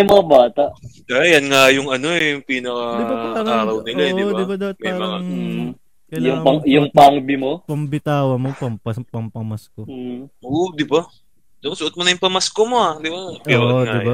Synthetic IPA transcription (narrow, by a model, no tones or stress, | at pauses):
ɐjmɐŋabaːt̪ɐʔkajɐnŋajʊŋʔɐnoɛpiːnɐkɐd̪ɪbaɐɐɾaːɾɐwnɪlaɛɪɪbad̪ɐbɐt̪mɐjaɾmɐɐa | kɐjʊŋɐjʊŋpaŋbɪmopɐmbɪt̪aːwɐmopɐmpɐspɐmpɐmɐskoʔod̪ɪba | d̪ŋsʊʔot̪monɐjʊŋpɐmɐskomo̞ad̪ɪbapiʔod̪ɪba